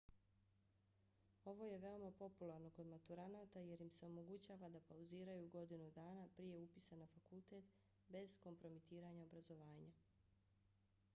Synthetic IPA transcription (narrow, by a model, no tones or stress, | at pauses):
o̞ʋo̞je̞ʋe̞o̞mapo̞pulˠaɾno̞ko̞d̪mat̪uɾanaːt̪aje̞ɾjimse̞o̞mo̞ɡut͡ɕaːʋad̪apauziːɾajuɡo̞d̪inud̪aːnapɾije̞upisanafakulˠt̪e̞t̪ | be̞zko̞mpɾo̞mit̪iːɾaɲao̞bɾazo̞ʋaːɲa